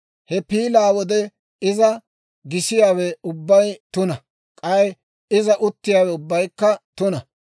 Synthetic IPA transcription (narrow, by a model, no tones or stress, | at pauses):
hɛpiːlaːwɔd̪ɛ | ɪzɐ | ɡɪsɪjaːwɛʊbːɐjt̪ʊnɐ | kʼɐj | ɪzɐʔʊt̪ːɪjaːwɛʊbːɐjkːɐt̪ʊnɐ